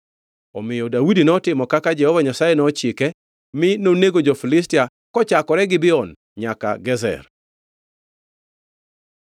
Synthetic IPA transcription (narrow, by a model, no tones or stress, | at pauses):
ɔmɪjɔdawudinɔtɪmɔkakad͡ʒɛhɔvaɲasajɛnɔt͡ʃɪkɛ | mɪnoneɡod͡ʒɔfilɪstɪa | kɔt͡ʃakɔɾɛɡɪbɪɔn | ɲaka̰ɡɛzɛ̰r